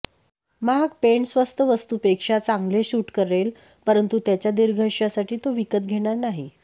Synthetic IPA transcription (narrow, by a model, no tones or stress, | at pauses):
maɡpeɳsʋəst̪ʰəʋəst̪upekʂat͡saŋɡleɕuːʈkəɾel | pəɾənt̪ut̪jat͡ɕjad̪iɾɡʱəʂjasaʈʰiːt̪oʋikət̪̚ɡʱeɽ̃aɾnaɦi